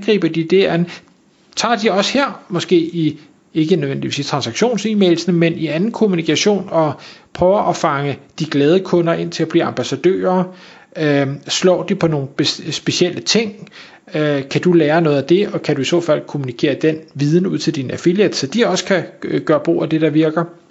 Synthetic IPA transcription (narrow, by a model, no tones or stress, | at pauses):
nɡ̥ʁḭːb̥ɐd̥id̥e̝æn̩ | t͡sʰɑ̰̈ːd̥iɒ̽sheɐ̰mɒ̽sɡ̥e̝̰ːi | e̝ɡ̥ənøðʋen̰d̥iʋḭst͡sʰʁɑ̈nsɑ̈ɡ̥ɕo̝̰ːnsimel̩sn̩menʔiænn̩kʰo̝munikʰæɕo̝̰ːnɒ̽pʰʁœʊɐʔɒ̽fɑ̈ŋəd̥iɡ̥lɛːð̞ˠəkʰɔ̽nɐʔe̝n̰t͡sʰe̝læb̥lḭːɑ̈mb̥æsæd̥ø̰ːɐ | slɒ̰ːd̥ipʰɒ̽no̝ːn̩b̥esb̥e̝ɕielʔət͡sʰe̝ŋ̰ | kʰæd̥uleːɐnɔ̽ːð̞̩ˠæd̥e̝ɒ̽kʰæd̥uisɔ̰̽ːfæl̰kʰo̝munikʰe̝̰ːɐd̥en̰ʋið̞ˠn̩uð̰ˠt͡sʰe̝ld̥inæfiljed̥sɒd̥iɒ̽sə̥kʰæɡ̥ɶːɐb̥ʁo̝̰ːæd̥e̝ɾ̥ɑ̈ʋiɐɡ̥ɐ